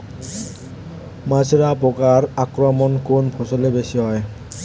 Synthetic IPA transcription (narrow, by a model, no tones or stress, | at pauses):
mazɹabɔkaɹakɹɔmɔnkonpʰɔsɔlebesiɦɔj